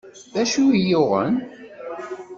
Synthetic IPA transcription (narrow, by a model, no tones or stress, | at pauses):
ðæʃujoʁə̰n